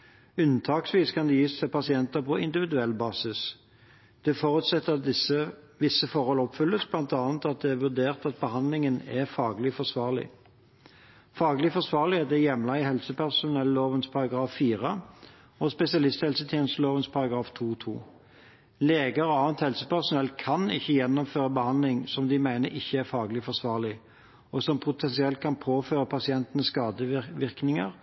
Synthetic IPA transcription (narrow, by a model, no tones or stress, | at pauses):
ʉnːt̪ʰɑːksʋiːskʰɑnd̪ɛjiːssɛpɑsɪɛnt̪əʁpʰɔɪnd̪ɪʋɪd̪ʉɛlːbɑːsɪs | d̪̥ɛfɔʁʉt̪sɛt̪ːəɪə | ʋɪsəfɔʁhɔlɔpfʉlːəsblɑnt̪ɑːnt̪ɑt̪̚d̪ɛæʁʋʉʁd̪eːʁt̪ɑt̪̚bəhɑnd̪lɪŋənæʁfɑːɡlɪfɔʂʋɑːʁlɪ̰ | fɑːɡlɪfɔsʋɑːʁlɪɛd̪ɛjɛmlɑɪhɛlsəpʰæʁsʊnɛlːoːʋənspʰɑʁɑɡʁɑːfːiːʁə | ɔspɛsɪɑlɪst̪hɛlsət̪ʰjɛːnəst̪loːʋənspʰɑʁɑɡʁɑːft̪ʰuːt̪ʰṵː | leːɡəɾɔɑːʋənt̪hɛlsəpæʁsʊnɛlːkʰɑnɪ̰çːəjɛnːɔmføːʁəbəhɑnd̪lɪŋsɔmd̪ɪmæɪnəɾʔɪçːəæʁfɑːɡlɪfɔʂʋɑːʁlɪ | ɔsɔmpʰʊt̪ʰɛnsɪɛlt̪̚kʰɑnpʰoːføːʁəpʰɑsɪɛnt̪ənəsskɑːd̪əʋɪʁknɪŋəʁ